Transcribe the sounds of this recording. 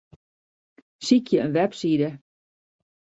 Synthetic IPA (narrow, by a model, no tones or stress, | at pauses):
sikʰjəənʋɛpsidə